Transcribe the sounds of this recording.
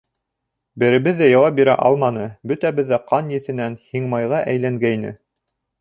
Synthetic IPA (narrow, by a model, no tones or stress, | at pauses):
bɘ̆ɾɘ̆βɘðːæjɑwɑp̚biɾæ̰ʔɑ̰lˠmɑnɤbɵt̪æβɘ̆ðːæqɑnjɘ̆θɘ̆nænhiɴmɑjʁɑʔæjlæŋɡæjnɘ̰